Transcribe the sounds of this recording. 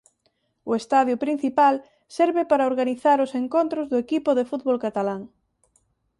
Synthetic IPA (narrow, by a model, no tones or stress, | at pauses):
ʊest̪aðjʊpɾin̟θipal | sɛɾβɪpaɾaoɾɣaniθaɾʊseŋkont̪ɾʊzðʊekipʊðefut̪βolkat̪alaŋ